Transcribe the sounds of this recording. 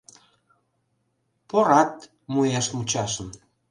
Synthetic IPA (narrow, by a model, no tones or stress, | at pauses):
poɾɑt̪̚ | mujɑʃmut͡ɕɑʃən